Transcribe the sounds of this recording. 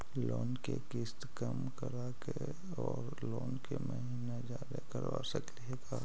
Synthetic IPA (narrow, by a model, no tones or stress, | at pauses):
loːnkekɪst̪kəmkəɾake | ɔːɾ | loːnkeməɦiːned͡ʒaːd̪akəɾʋa̰səkliɛka